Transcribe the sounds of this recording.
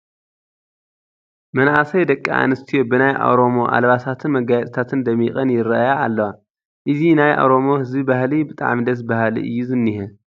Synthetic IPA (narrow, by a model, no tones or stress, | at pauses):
mɐnʔasɐjd̪ɐkʼːiʔa̰nɨst̪ʰijo̞bɨnajʔa̰wɾo̞mo̞ʔa̰lβasʰat̪ʰɨnmɐɡajɛt̪ʼt̪ʰat̪ʰɨnd̪ɐmːixʼɐnjɪɾɐʔjaːlːɐwa | ʔɨzinajʔa̰wɾo̞mo̞hɨzbibahlibɨt̪ʼa̰ʕmid̪ɐs̬bahlḭʔɨ̰jːuzɨnːihɛ